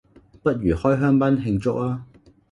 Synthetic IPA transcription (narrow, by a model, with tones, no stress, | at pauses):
pɐ˥t̚ɥyː˨˩hɔː˥jɦœː˥ŋpɐ˥nɦɪ˧ŋt͡sʊ˥k̚laː˦˥